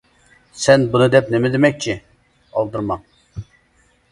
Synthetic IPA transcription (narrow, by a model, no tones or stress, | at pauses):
sɛnbunɨd̪ɛpnemɪd̪ɪmɛk̚ʲt͡ʃʰːi | ɑ̰lˠd̪ɨɾmɑŋ